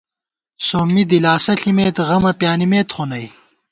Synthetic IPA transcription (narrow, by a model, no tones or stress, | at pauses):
soːmːid̪ilaːsɐɬimeːt̪ʁɐmɐpjaːnimeːt̪χonɐj